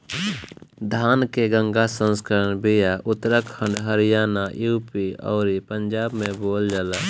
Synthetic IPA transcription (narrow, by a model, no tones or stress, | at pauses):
d̪ʱaːnkeɡə̃ŋɡasə̃nskəɾənbijaʔʊt̪ːɾəkʰːə̃ɳɖɦəɾɪjaːnajuːpiɔ̰ːɾipəɲd͡ʒaːbmẽboːld͡ʒəla